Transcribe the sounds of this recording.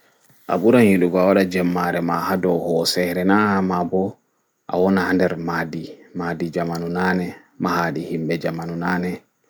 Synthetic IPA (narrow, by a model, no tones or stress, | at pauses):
ʔa̰ɓuɾanjiɗuɡɔawaɗad͡ʒɛmːaɾɛmahadɔhɔsɛhɾɛnahamabɔ | ʔa̰wɔnahandɛɾmadimadid͡ʒamanunanɛ | mahaːɗihimbɛd͡ʒamanunaːnɛ